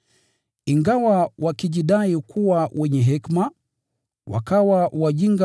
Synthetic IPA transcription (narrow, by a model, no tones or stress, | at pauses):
iŋɡawawakiʄiɗaikuwawʔɛɲɛɦɛkma | wa̰kawawaʄiŋɡa